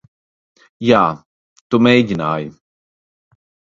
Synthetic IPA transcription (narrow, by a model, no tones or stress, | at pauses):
jaː | t̪umejɟʲinaːj